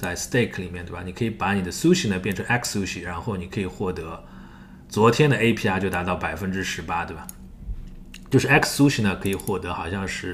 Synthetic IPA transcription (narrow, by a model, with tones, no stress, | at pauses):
t͡sa˥˩ɪst̪e˥˩ɪkʰli˨˩mjt̪ba˨˩ni˨˩kʰɤ˧˥i˧˥pa˧˥ni˨˩d̪ə˦su˥ɕi˧˥nə˨˩pjɛ˥˩nʈ͡ʂʰɤ˧˥ŋʔɛ˥kʰssu˥ɕi˥˩ɻa˧˥nxo˥˩ʊni˨˩kʰɤ˧˥i˨˩xwɔ˥˩t̪ɤ˧˥ | t͡swɔ˧˥t̪ʰjɛ˥nd̪ə˨e˥ɪpʰi˥a˥t͡ɕjo˥˩ʊt̪a˧˥t̪ɑ˥˩ʊpa˨˩ɪfə˥nʈ͡ʂɻ̩˥ʂɻ̩˧˥pa˥t̪we˥˩ba˨˩ | t͡ɕjo˥˧ʊʂɻ̩˥˩ɛ˥kssu˥ɕi˧˥nə˩kʰɤ˧˥i˨˩xwɔ˥˩t̪ɤ˧˥xɑ˨˩ʊɕjɑ˥˧ŋʂɻ̩˥˩